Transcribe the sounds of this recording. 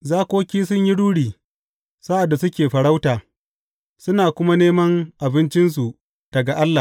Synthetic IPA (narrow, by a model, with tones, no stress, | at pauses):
zaː˦kʷoː˦kʲiː˦sʊ˦ɲji˦ɽuː˦ɽiː˨ | sa˦ʔa˨dːa˨sʊ˦kʲeː˨ɸɐ˨ɽa˦wtaː˨ | sʊ˦naː˨kʷʊ˦ma˦neː˦mɐ˦ŋʔa˨bɪ˦nt͡ʃɪ˦ns̬u˨ʔ | d̥ɐ˨ɡa˨ʔa˦lːa˨